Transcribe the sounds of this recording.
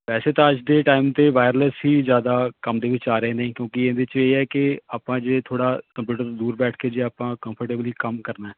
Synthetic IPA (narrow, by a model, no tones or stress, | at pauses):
pɛːseːt̪ãːəd͡ʒd̪eːʈaːimt̪eːʋaːɪɾləsɦiːzjaːd̪aːkəmd̪eːʋɪt͡ʃaːɾəeːneĩːkjõːkɪẽnd̪ɪt͡ʃeːɛːkɪaːpãːd͡ʒeːt̪ʰoːɽaːkəmpjuːʈəɾt̪ːd̪uːɾbɛːʈʰkeːd͡ʒeːaːpãːkəmpʰəɾʈeːbliːkəmkəɾnaːɛː